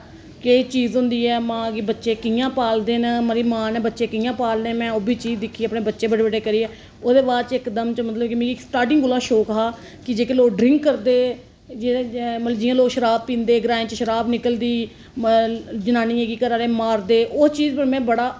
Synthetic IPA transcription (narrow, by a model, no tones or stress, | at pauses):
ket͡ʃiːzɦʊ̃nd̪iːɛːmãːɡiːbətːʃeːkɪjãːpaːld̪eːnəməɾiːmãːnɛːbətːʃeːkɪjãːpaːld̪ẽːmɛ̃ːoːbiːt͡ʃiːzd̪ɪkʰːiːəpneːbətːʃeːbəɽbəɖeːkəɾiːɛː | oːd̪eːbaːɾt͡ʃɪkd̪əmt͡ʃəmət̪ləbkimɛ̃ːksʈaːʈɪ̃ŋɡʊlãːʃoːkəɦaː | kɪd͡ʒeːkeloːkɖɾɪ̃ŋkːəɾd̪eː | d͡ʒemət̪ləbd͡ʒɪjãːloːkʃəɾaːb̚pĩːnd̪eːɡɾãːẽːt͡ʃəʃəɾaːbnɪkəld̪iː | d͡ʒənaːniːeːɡiːkəɾaːɾeːmaːɾd̪eːʔʊst͡ʃiːzpəmɛ̃ːbəɽaː